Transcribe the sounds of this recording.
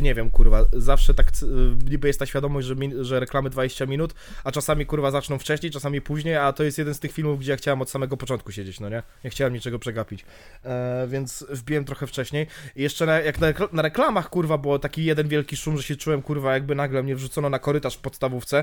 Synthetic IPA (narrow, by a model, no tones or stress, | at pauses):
ɲɛvʲjɛmkuɾvazafʂɛt̪akɲibɘjɛst̪ːaɕfʲjad̪ɔmɔʑd͡ʑʐɛmʲiʐɛɾɛklamɘd̪vad͡ʑeɕt͡ɕamʲinut̪ | at͡ʂasamʲikuɾvazat͡ʂnɔ̃w̃ft͡ʂɛɕɲejt͡ʂasamʲipuʑɲejat̪ɔjɛst̪jɛd̪ɛnt̪ɘxfʲilmufɡd͡ʑɛjaxt͡ɕawɛmɔt̪samɛɡɔpɔt͡ʂɔnt̪kuɕed͡ʑet͡ɕnɔɲɛɲɛxt͡ɕawɛmɲit͡ʂɛɡɔpʂɛɡapʲit͡ɕ | vʲɛnt̪svbʲiwɛmt̪ɾɔxɛft͡ʂɛɕɲejjɛʂt͡ʂɛnajaknanaɾɛklamaxkuɾvabɘwɔt̪akʲijɛd̪ɛnvʲjɛlkʲiʂumʐɛɕɛt͡ʂuwɛmkuɾvajaɡ̚bɘnaɡlɛmɲɛvʐut̪sɔnɔnakɔɾɘt̪aʂfpɔt̪st̪avuft̪sɛ